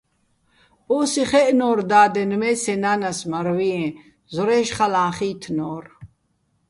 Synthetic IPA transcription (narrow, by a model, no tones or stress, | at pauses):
ɔːsiχɛʔnɔːɾd̪aːd̪ɛnmɛːsɛnaːnasmaɾviɛ̃ | zɔɾɛːʃχalãːχiːt̪ʰnɔːɾ